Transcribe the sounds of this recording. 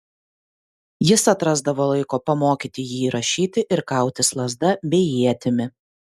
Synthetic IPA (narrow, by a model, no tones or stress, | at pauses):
jɪsɐt̪ɾɐzd̪ɐʋoːlˠɐɪkoːpɐmoːkʲiːt̪ʲɪjiːɾɐʃʲiːt̪ʲɪʔɪɾkɑˑʊt̪ʲɪslˠɐzd̪ɐbʲɛɪjiːiːɛt̪ʲɪmʲɪ